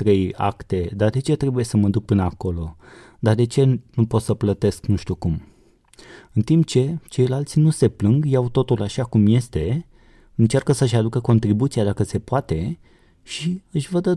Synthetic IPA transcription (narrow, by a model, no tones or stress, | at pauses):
t̪ɾe̞ja̰kt̪e̞d̪ard̪e̞t͡ʃe̞t̪ɾe̞buje̞səməd̪uk̚pɨnəako̞lo̞ | d̪ard̪e̞t͡ʃe̞nupo̞t̪səplət̪e̞sknuʃt̪ʲjukum | ɨnt̪impt͡ʃe̞t͡ʃe̞jlalt̪sʲinuse̞plɨŋɡjawt̪o̞t̪ulaʃakumje̞st̪e̞ | ɨnt͡ʃarkəsəʃ̬ad̪ukəko̞nt̪ɾibut̪siad̪akəse̞poat̪e̞ | ʃiɨʃʲvəd̪ə